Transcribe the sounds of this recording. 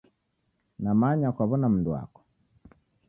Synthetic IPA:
namaɲakwaβɔnam̩ndua̰kɔ̥

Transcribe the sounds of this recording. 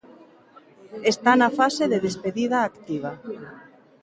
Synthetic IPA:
est̪anafaseðeðespeðiðaːkt̪iβ̞a

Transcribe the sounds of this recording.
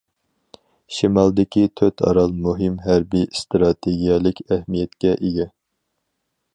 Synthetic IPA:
ʃimɑlˠd̪ɪkʲit̪ʰøt̪ʰɑ̰ɾɑlˠmuɦɪmɦæɾbist̪ɾɑt̪ʰeɡʲijɑlˠɪkʲæhmijɛt̪kʲɛʔeɡʲɛ

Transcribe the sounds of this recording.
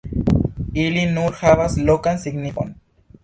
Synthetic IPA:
ilinuɾxaβaslokansiɡniko̰n

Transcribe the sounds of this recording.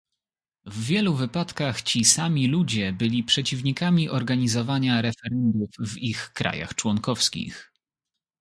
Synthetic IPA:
vːʲjɛluvɘpat̪kaxt͡ɕisamʲilud͡ʑɛbɘlʲipʂɛt͡ɕivɲikamʲiʔɔɾɡaɲizɔvaɲaɾɛfɛɾɛnd̪ufvixkɾa̰ja̰xt͡ʂwɔŋkɔfskʲḭx

